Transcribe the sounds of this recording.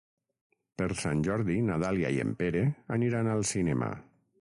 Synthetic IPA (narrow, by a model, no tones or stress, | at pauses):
peɾsanʲʒɔɾðinaðalja̰iḛmpeɾeaniɾanalˠsinɛma̰